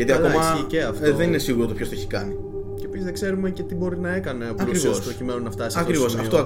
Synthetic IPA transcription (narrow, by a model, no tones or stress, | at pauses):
ʝɐt̪iɐmɐiceɐft̪ðe̞nine̞siɣuɾot̪opçot̪oeçikɐ̰ni | ceːpisizðeɡ̥se̞ɾumece̞t̪ibo̞ɾinɐe̞kɐneɐpɐkɾivosɾocimenunɐft̪ɐsisɐkɾivo̞sɐft̪o